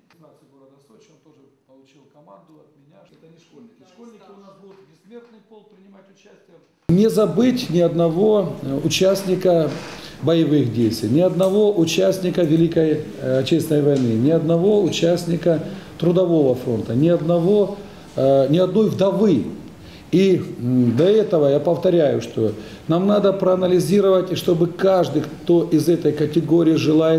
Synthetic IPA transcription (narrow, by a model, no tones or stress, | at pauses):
ɪasɨɡoɾɐd̪ɐsot͡ɕit̪oʐɨpɐlˠʊt͡ɕilˠkɐmand̪ʊɐt̪̚mʲɪnʲaɛt̪ʲʂkolʲnʲɪ | kolʲnʲɪk̪ʲɐt̪bʲɪsmʲert̪nɨjpolˠpɾʲɪnʲɪmatʲʊt͡ɕæsʲtʲɪjə | nʲɪzɐbɨtʲnʲɪɐd̪nɐvo̞ʊt͡ɕæsʲnʲɪkəbəjɪvɨxdʲejst̪vʲijnʲɪɐd̪nɐvo̞ʔʊt͡ɕæsʲnʲɪkəvʲɪlʲikəj | ɐt͡ɕʲːesʲt̪ʲɪnəjvɐjnɨnʲɪɐd̪nɐvo̞ʊt͡ɕæsʲnʲɪkət̪ɾʊd̪ɐvo̞vəfɾo̞nt̪ənʲɪɐd̪nɐvo̞ | nʲɪɐd̪no̞jvd̪ɐvɨ | id̪ɐɛt̪əvəjapəft̪ɐɾʲæjʊʂt̪o̞ | namnad̪əpɾɐɐnəlʲɪzʲiɾəvətʲɪʂt̪o̞bɨkaʐd̪ɨkt̪o̞ʔɪzɛt̪əjkətʲɪɡo̞ɾʲɪːʐɨlˠajɪt̪